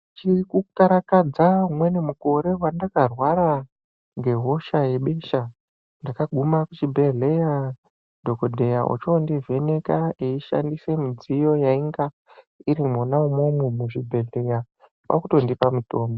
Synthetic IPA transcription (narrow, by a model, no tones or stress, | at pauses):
t͡ʃikukaɾakad͡zaɦumwe̞nemuko̞ɾe̞wandakarwaɾa | ŋɡe̞ɦo̞ʃaje̞ɓe̞ʃa | ndakaɡʱumakut͡ʃibʱe̞ɮe̞ja | dʱokodʱe̞jaʔṵt͡ʃondive̞ne̞kaeiʃa̰ndise̞mid͡zijo̞jaiŋɡa | iɾimonaumomumuʐibʱe̞ɮe̞ja | pa̰kuto̞ndipamuto̞ːmbo